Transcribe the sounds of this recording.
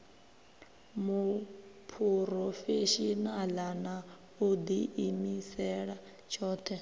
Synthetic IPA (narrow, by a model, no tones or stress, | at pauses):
mupʰuɾɔfeʃinalana | ud̪iimisɛɺa | t͡ʃʰɔːt̪ʰɛ